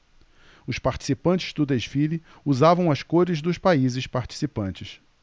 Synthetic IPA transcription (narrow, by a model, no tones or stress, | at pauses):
ʊspaɾt͡ʃi̥sipɐ̃nt͡ʃɪ̥zd̪ʊd̪eʃfili | uzavɐ̃w̃ɐskoɾɪzd̪ʊspaizɪspaɾt͡ʃi̥sipɐ̃nt͡ʃɪs